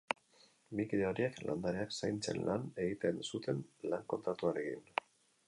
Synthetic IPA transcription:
mikiɾeoɾieklʔa̰nd̪aɾeaksajnt͡se̞̰nlʔane̞ɣit̪e̞nsut̪ʰe̞nlaŋko̞nt̪ɾat̪uaɾe̞kḭn

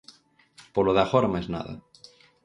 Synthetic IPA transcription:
poloðafoɾmaezna̰ða̰

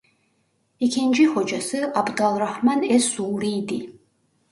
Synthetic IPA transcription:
ikʲʰind͡ʒixɔd͡ʒasɨabd̪alˠrahmanɛsuːɾijd̪i

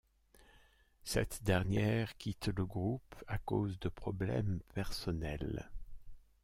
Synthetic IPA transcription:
sɛ̰t̪d̪ɛʁnjɛʁkʲit̪ləɡʁupakozd̪əpχɔblɛ̰mpɛʁsɔnɛl

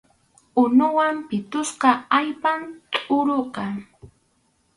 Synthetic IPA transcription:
ʊnʊwampɪt̪ʊsqɑajpant̪ʼʊɾoqɑ

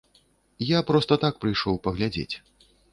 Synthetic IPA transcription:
japɾɔst̪ɐt̪ak̚pɾɨjʂɔwpɐɣlʲad͡zʲḛt͡sʲ

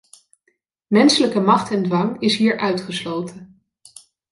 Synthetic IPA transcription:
mɛnsələkəmɑχtɛndʋɑŋɪsɦiːɹʔœɥtχəslowtən

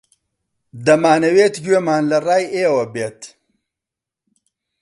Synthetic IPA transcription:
d̪ɐmaːnɐweːt̪ɡweːmaːnlɐraːjeːwɐbeːt̪

